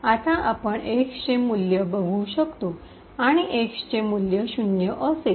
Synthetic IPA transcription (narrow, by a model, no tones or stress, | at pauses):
at̪ãʔapəɳʔekst͡ɕemuljəbəɡʱuɕəkt̪o | aɽ̃iʔekst͡ɕẽmuljəɕunjəʔəse